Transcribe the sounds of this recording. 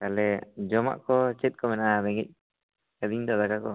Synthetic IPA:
kalɛd͡ʒɔma̰ʔkɔt͡ʃɛt̪̚kʰɔmɛnaɾɛŋɛ̰c̚ˀ | kəd̪iɲd̪ɔd̪akakɔ

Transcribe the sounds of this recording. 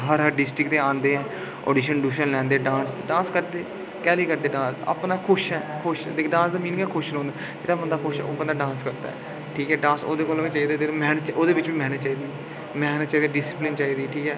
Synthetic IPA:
ɦəɾɦəɾɖɪsʈɾɪkt̪eːãːnd̪eːɦɛː | ɔ̰ːɖiːʃənɖuːʃənlɛ̃ːnd̪eːɖãːnsɖãːskəɾd̪eː | kɛːliːkəɾd̪eːɖãːsə̰pnaːkʰʊʃɛːkʰʊʃd̪ekɖãːnszəmiːnkaːkʰʊʃnõːnd̪aː | d͡ʒeːɽaːbənd̪aːkʰʊʃɛ̰ːoːbə̃nd̪aːɖãːnskəɾd̪a̰ɛ̰ː | ʈʰiːkɛːɖãːnso̰ːd̪eːkoːləɡet͡ʃaːiːd̪eːd̪eːmɛːnət̪t͡ʃoːd̪eːʋɪt͡ʃʋiːmɛːnət̪ːt͡ʃaːiːd̪iː | mɛːnət̪ːt͡ʃaːiːd̪ɛɖɪsɪplɪnt͡ʃaːiːd̪iːʈʰiːkɛː

